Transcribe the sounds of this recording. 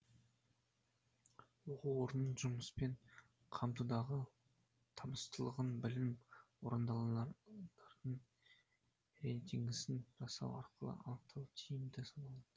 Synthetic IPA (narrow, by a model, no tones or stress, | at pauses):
woquwo̞ɾənːəɴʒʊməspe̞ɴ | qʰɑmt̪ud̪ɑʁə | t̪ʰɑməst̪əlˠəʁənbɪlɪmwoɾənd̪ɑnd̪ɑɾd̪əɴ | ɾejt̪ʰiŋɡʲɪsɪnʒ̥ɑsɑ̰wɑ̰ɾqʰəlˠə̰ʔɑnəq̚t̪ʰɑlˠt̪ʰijɪmd̪ɪsɑnɑlˠɑd̪̥ə